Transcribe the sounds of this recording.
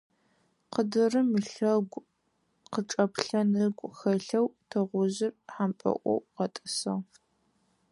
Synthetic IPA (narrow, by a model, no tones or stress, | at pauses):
qədɨrɨmɨɬɐɡʷ | qəʈ͡ʂʼɐpɬɐnɨɡʷʼxɐɬɐwtʰɐʁʷʊʑɪrħampʼɐ̰ʔʷɔ̰wqɐtʼɨsɐw